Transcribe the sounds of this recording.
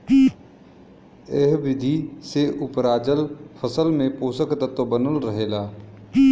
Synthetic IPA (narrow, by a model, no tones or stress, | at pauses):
eɦbɾɪd̪ʱiseʔʊpɾaːd͡ʒəlpʰəsəlmẽpoːsəkt̪ət̪obənəlɾəɦeːlaː